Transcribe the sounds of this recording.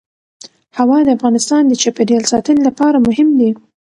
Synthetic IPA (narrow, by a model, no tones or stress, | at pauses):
hawɑd̪əafɣɑnɪst̪ɑnd̪ət͡ʃapeɖijɑlsɑt̪ənɪlapɑɾamʊɦɪmd̪i